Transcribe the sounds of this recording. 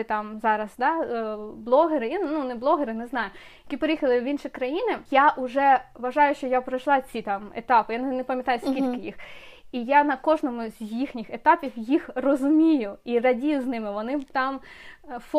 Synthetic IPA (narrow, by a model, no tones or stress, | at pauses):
ɪt̪ɑmzɑɾɐzd̪ɑblˠɔɦeɾɪinnunɪblˠɔɦeɾɪnɛznɑjʊ | jɐkʲipeɾɪjixɐlˠɪʋinʃikɾɐjinɪjaʔʊʒɛʋɐʒɑjʊʃt͡ʃɔjapɾɐʃlˠɑt͡sʲit̪ɑmḛt̪ɑpɪjannepɐmʲjɐt̪ɑjʊskʲilʲkɪjḭxijanɐkɔʐnɔmʊzʲjixnʲɪxet̪ɑpʲiwjixrɔzʊmʲijʊirɐdʲijʊznɪmɪʋɔnɪt̪ɑmf